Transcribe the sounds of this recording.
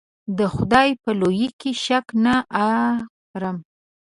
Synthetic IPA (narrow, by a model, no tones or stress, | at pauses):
d̪əxʊd̪ɑjpəlojikiʃaknaʔa | ɾam